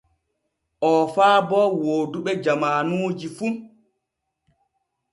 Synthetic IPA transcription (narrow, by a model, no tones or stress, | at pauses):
ʔɔfaːbɔwoːduɓɛd͡ʒamaːnuːd͡ʒifu